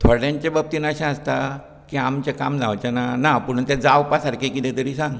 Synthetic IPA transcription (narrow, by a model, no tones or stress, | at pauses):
t̪ʰoɽjãɲt͡ɕebəp̚t̪iːnəɕãəst̪a | kiamt͡ɕekamd͡zaʋt͡ɕananapəɽ̤̃unt̪ed͡zawpasaɾkʰekit̪ɛ̃t̪əɾiːsãŋɡ